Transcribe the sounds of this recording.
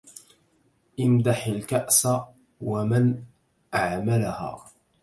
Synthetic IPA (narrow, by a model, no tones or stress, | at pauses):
ʔɪmd̪aħalkaʔsa | waman | ʔaʕmalaha̰ː